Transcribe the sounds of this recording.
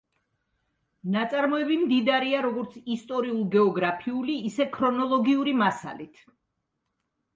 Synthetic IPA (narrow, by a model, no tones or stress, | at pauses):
nat̪sʼaɾmɔɛbimd̪id̪aɾiaɾɔɡɔɾt̪sʰist̪ʼɔɾiulˠɡɛɔɡɾapʰiuliːsɛkʰɾɔnɔlˠɔɡiuɾimasa̰lit̪ʰ